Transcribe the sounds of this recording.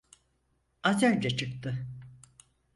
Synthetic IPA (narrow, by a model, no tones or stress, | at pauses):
azæɾd͡ʒɛt͡ʃʰɯk̚t̪ɯ